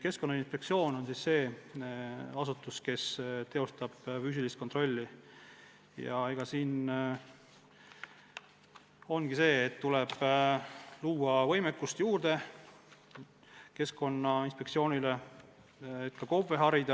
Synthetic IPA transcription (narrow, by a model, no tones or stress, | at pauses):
ke̞sko̞nːɑinspe̞k̚tsio̞ːno̞nsisse̞ː | ɑsut̪ːˑuske̞st̪e̞o̞st̪ɑb̥fys̬ʲilist̪kont̪ro̞lʲːi | jɑ̰eɡ̥ɑsiːn | o̞nɡ̥ise̞ːt̪ːuleb̥ | luːɑvɤ̞jmekːˑust̪juːrd̪̥e̞ | ke̞sko̞nːɑinspe̞k̪̚sio̞ːnʲile̞ | et̪̚kɑko̞ve̞ɦɑɾid̪̥ɑ